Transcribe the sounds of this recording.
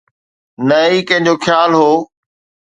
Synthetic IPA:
nɐikɐ̃ɦɪ̃ɲ̆d͡ʑoːxʰjaːlɦoː

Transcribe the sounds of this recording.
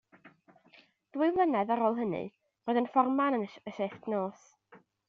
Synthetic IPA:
d̥wɪɨvlˠənɛðaɾoːlˠɦənɨ̰ | roːðənfɔrmanənəʃeftnoːs

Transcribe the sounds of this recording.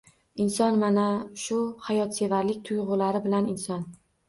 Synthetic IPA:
ɪnsɒnmanaʃʊhajɒt̪se̞vaɾlɪk̚ʲt̪ʰʊjʁʊlaɾɪbɪlanɪnsɒn

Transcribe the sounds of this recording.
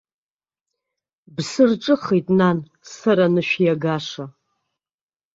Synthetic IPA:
bsɨrʈ͡ʂʼɨχitʼnan | sɐɾanɨʃʷᶣjaɡaʂa

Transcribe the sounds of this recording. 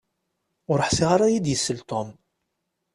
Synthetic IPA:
ʊɾəħsiʁaɾˤajid̪jəsːəlt̪om

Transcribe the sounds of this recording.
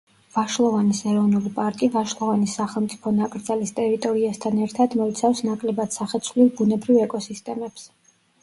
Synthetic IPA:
vaʃlˠɔvanisɛɾɔvnulipʼaɾkʼivaʃlˠɔvanisaχɛlˠmt̪sʼi̥pʰɔnakʼɾd̪zalist̪ʼɛɾit̪ʼɔɾiast̪ʰanɛɾt̪ʰad̪mɔit̪sʰafsnakʼlɛbad̪̥saχɛt̪sʰvlilˠbunɛbɾivɛkʼɔsist̪ʼɛmɛps

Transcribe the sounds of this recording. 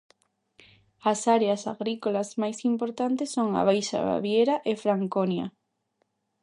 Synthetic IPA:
ɐsaɾeasa̰ɣɾikolazmajsimpoɾt̪ant̪esːoŋa̰β̞ajʃa̰βa̰βjeɾaʔɪfɾaŋkonjɐ̰

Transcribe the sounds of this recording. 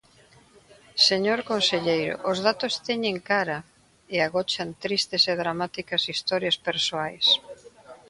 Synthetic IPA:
seɲoɾkonseʎejɾʊ̰ʔʊzðat̪ost̪ɛɲeŋkaɾɐ | eaɣɔt͡ʃant̪ɾist̪eseðɾamat̪ikɐsist̪ɔɾjɐspeɾsoajs

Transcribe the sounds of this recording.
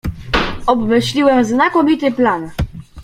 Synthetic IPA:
ɔbmɘɕlʲiwɛmznakɔmʲit̪ɘplan

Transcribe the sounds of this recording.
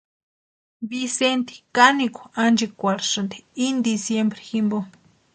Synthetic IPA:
bisent̪i̥kaniko̥and͡ʒekʷaɾsont̪e̥ind̪isjembɾe̥ximbo

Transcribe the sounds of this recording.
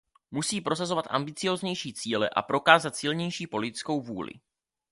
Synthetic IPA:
musiːpɾo̞s̬azo̞vat̪ʔa̰mbɪt͡sɪjo̞ːzɲɛjʃiːt͡siːlɛʔa̰pɾo̞kaːzat̪sɪlɲɛjʃiːpo̞lɪt̪ɪ̥t͡sko̞wvuːlɪ̰

